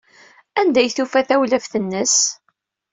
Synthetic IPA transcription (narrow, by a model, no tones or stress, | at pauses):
ænd̪æjθufæθæwləfθənːəs